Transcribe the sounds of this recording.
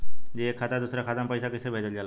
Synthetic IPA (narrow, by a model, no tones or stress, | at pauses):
d͡ʑiekʰːat̪ad̪usɾakʰat̪ampəjsakisʰebʱed̪əld͡ʑala